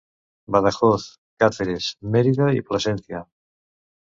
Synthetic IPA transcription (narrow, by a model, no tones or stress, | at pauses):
baðaxoθ | kat̪eɾesmeɾiðaiplasɛnθja